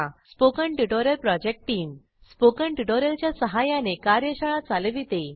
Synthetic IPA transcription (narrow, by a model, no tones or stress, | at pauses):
aspokəɳʈuʈoɾjəlpɾɔd͡ʑek̚ʈʈːiːm | spokəɳʈuʈoɾjəlt͡ɕjasəɦajanekaɾjəɕəɭ̃at͡salʋit̪e